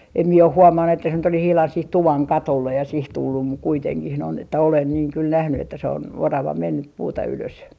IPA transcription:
em mie oh huomɑnːu etːæ se nyt olis ihlɑn sih tuʋɑŋ kɑtolːej jɑ sih tulːum muk kuiteŋkih noin etːæ olen niːŋ kyl næhny etːæ se on orɑʋɑ menːyp puːtɑ yløs

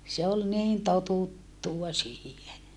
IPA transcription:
se ol niːn totutːuɑ siːhe

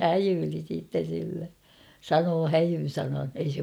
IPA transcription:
hæjyːli siːtːen̞ silːe sɑnoː hæjyn̞ sɑnɑn ei se

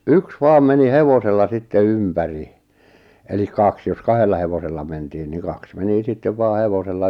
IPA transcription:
yks ʋɑːm meni heʋoselːɑ sitːe ympæri elik kɑks jos kɑhelːɑ heʋoselːɑ mentiːn niŋ kɑks meni sitːeʋ ʋɑː heʋoselːɑ

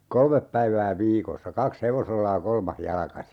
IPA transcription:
kolmep pæiʋæː ʋiːkosːɑ kɑks heʋoselːɑ jɑ kolmɑh jɑlkɑsi

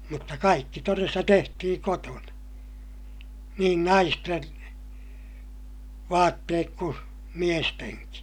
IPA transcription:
mutːɑ kɑikːi torestɑ tehtihiŋ kotonɑ niːn nɑisten ʋɑːtːeːk ku miesteŋki

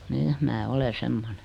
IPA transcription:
ni mæː ole semːone

